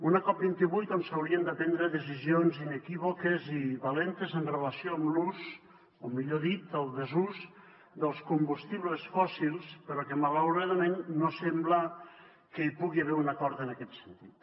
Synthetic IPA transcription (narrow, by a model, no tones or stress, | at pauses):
unakɔp̚bint̪iβujt̪onsawɾiənd̪əpɛnd̪ɾəðəz̬izionzinəkiβokəziβalɛnt̪əzənrələsioamluz | omiʎoðit̪əlˠd̪əzuz | d̪əlˠskumbust̪iβləsfɔsilˠspəɾɔkəmalawɾaðəmẽnːosemblə | kəipuɣiaβɛɾunakɔɾt̪ənakɛt̪sənt̪it̪